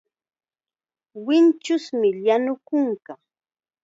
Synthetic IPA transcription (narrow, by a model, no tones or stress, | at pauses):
wɪnt͡ʃʊsmɪʎanʊkʊŋka